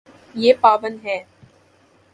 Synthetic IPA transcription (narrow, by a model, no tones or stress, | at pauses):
jeːpaːʋənɦɛː